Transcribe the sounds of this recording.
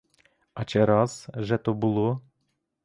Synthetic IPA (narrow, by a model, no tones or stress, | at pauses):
ɑt͡ʃɛɾɑzʒɛt̪obulˠo